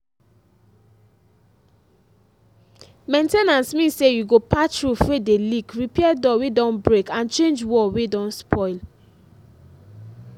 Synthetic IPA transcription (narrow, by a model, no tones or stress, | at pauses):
mẽntenãnsmĩsejuɡopatɹufwedelikɹipɛɛdɔwedɔ̃nbɹekãnt͡ʃẽnd͡ʒwɔwedɔ̃nspʰɔɪl